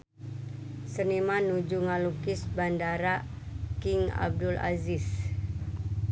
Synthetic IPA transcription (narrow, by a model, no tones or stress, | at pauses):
sənimanud͡ʒuŋalukɪsbandaɾa | kɪŋa̰b̚dula̰zɪs